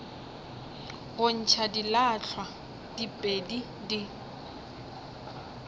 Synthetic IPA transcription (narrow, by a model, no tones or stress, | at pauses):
ɣʊn̩t͡ʃʰadilat͡ɬʰwa | d̥ipʼedi | di